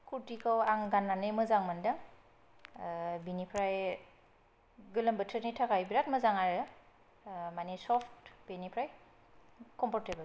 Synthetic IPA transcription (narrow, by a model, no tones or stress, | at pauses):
kʰuɾtikʰawaŋɡanːanɯmɯzaŋmandaŋ | binipʰɾaj | ɡɯləmbətʰənitʰakajbiɾatməzaŋaɾɯ | manisɔpʰtbenipʰɾaj | kɔmpʰɔɹtebəl